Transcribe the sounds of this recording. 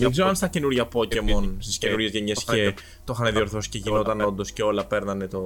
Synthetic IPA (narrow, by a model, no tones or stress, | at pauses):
miɡzoɐnst̪ɐce̞nuɾʝɐpo̞cemo̞nst̪isce̞nuɾʝezʝeɲesçe | t̪o̞xɐneðio̞ɾθo̞si̥ce̞ʝino̞t̪ɐno̞nd̪o̞sceo̞lɐpe̞ɾnɐnet̪o̞